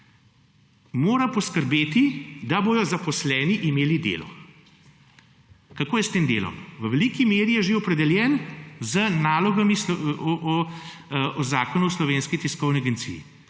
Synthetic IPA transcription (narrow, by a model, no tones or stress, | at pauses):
moːɾapɔskəɾbeːt̪id̪aboːjɔzapɔslɛːniʔimeːlid̪ḛːlɔ̰ | kakoːjɛst̪eːmd̪ḛːlɔ̰mʋəʋɛlikimeːɾijɛʒeɔpɾɛd̪ɛljɛːnzənaːlɔɡamisɔ | ɔzaːkɔnuɔslɔʋeːnskit̪iskɔwniaɡent̪sḭːjḭ